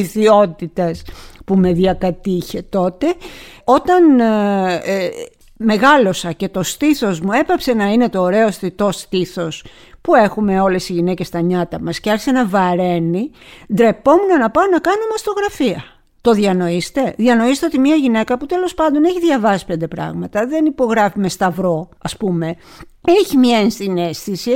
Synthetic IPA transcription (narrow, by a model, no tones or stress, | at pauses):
iθio̞t̪it̪ɐspume̞ðiɐkɐt̪içe̞t̪o̞t̪e̞o̞t̪ɐn | me̞ɣɐlo̞sɐce̞t̪o̞st̪iθo̞zmue̞pɐpse̞nɐine̞t̪o̞ːɾe̞ost̪it̪o̞st̪iθo̞s | pue̞xume̞o̞le̞siʝine̞ce̞st̪ɐɲɐt̪ɐmɐsceɐɾçi̥senɐvɐɾe̞nid̪ɾe̞po̞munɐnɐpɐonɐkɐnomɐst̪o̞ɣɾɐfiɐ | t̪o̞ðiɐno̞ist̪e̞ðiɐno̞ist̪eot̪imiɐʝine̞kɐput̪e̞lo̞spɐnd̪o̞neçiðʝɐvɐsi̥pe̞nd̪e̞pɾɐ̰ɣmɐt̪ɐðe̞nipo̞ɣɾɐfime̞st̪ɐvɾo̞ɐspume̞ | eçimiɐenst̪ine̞st̪isi